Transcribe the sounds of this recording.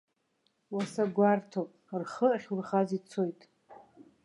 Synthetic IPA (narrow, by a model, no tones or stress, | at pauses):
wasaɡʷartʰopʼrχəχʲurχazit͡sʰo̞jtʼ